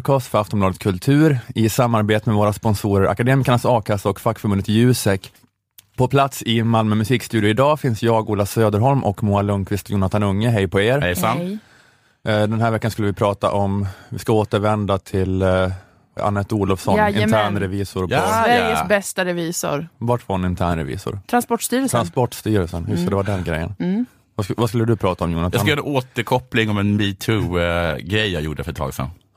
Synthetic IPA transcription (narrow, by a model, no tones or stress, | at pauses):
kʰɑːst̪fœɾaft̪ɔmb̪lɑːd̪ət̪kʰɵlt̪ʰʉ̟ːɾɪsamːaɾbeːt̪əmɛvoːɾaspɔnsuːɾəɾʔa̰kad̪eːmɪkaɳasɑːkʰasaɔkfakːfœɾbɵnət̪jʉ̟ːsɛkː | pʰɔpʰlat̪sɪmalmœmɵsiːkst̪ʉ̟ːd̪ɪəɪd̪ɑːfɪnsjɑːɡuːlasøːd̪əɾɦɔlmʔɔ̰kmuːalɵŋkʰvɪst̪juːnat̪ʰanɵŋːəɦɛjpʰɔeːɾ | d̪ɛnɦæːɾvɛkːanskɵləvɪpʰɾɑːt̪a̰ʔɔmvɪskaoːt̪əɾvɛnd̪at̪ʰɪl | a̰nːɛt̪uːlɔfsɔnɪnʰæːɳɾɛviːsʊɾʰɔvæəsbɛst̪aɾɛviːsʊ̰ɾvɑʈfɔnɪnt̪ʰæːɳɾɛ̰vḭːsʊ̰ɾt̪ʰɾanspɔʈst̪yːɾəlʰɾanspɔʈːst̪yːɾəlsənhʉsɔd̪ɛvaɖɛnɡɾɛ̰jːə̰n | vasvaskɵlːəd̪ɵpʰɾɑːt̪aɔmjuːnat̪ajəɾoːt̪əɾkʰɔplɪŋɔmɛnbiːt̪ʰuɡɾɛjːajṵːɖəfœʈ̪ʰɑ̰ːɡsɛ̰n